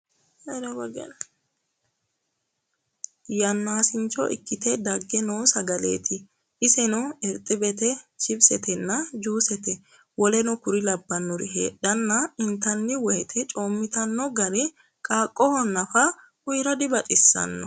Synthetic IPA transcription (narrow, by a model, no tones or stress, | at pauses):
ɛɾɐbɐɡɛ̰n | jɐnːaːsɪnt͡ʃːɔ̰ʔɪ̰kːɪt̪ɛd̪ɐɡːɛnoːsɐɡɐlḛːt̪ɪ | ʔɪsɛnʊɛɾt̪ʼːɪbɛt̪ɛt͡ʃɪbsɛt̪ʰɛnːɐd͡ʒuːsɛt̪ɛ | wɔlɛnɔkʊɾɪlɐbːɐnːɔɾɪ̰ɦḛːɗːɐnːɐɪnt̪ɐnːɪwɔjɛt̪ʰɛt͡ʃʼoːmːɪt̪ɐnːɔɡɐɾɛ | kʼaːkʼːɔhɔnːɐfɐ | ʊjɾɐd̪ɪbɐt͡ʃʼɪsːɐ̰nːɔ